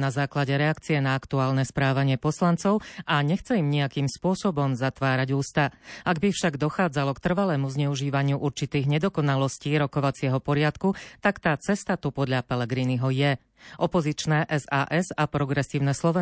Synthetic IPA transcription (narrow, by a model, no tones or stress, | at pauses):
nazaːklaɟɛɾɛakt͡siɛnaakt̪uaːlnɛspɾaːʋaɲɪɛpɔslant͡sɔʊaɲɛxt͡sɛimɲiakiːmspʊɔsɔbɔmzat̪ʋaːɾaɟuːst̪aʔaɡbifʃaɡd̪ɔxaːd͡zalɔkt̪r̩ʋalɛːmuzɲɛuʒiːʋaɲɪuʔuɾt͡ʃit̪iːɣɲɛd̪ɔkɔnalɔsciːɾɔkɔʋat͡sɪɛɦɔpɔɾɪat̪kut̪akt̪aːt͡sɛst̪at̪upɔd̪ʎapɛlɛɡɾiniɦɔjɛ | ʔɔpɔzit͡ʃnɛʔɛza̰ːʔɛzapɾɔɡɾɛsiːʊnɛslɔʋɛ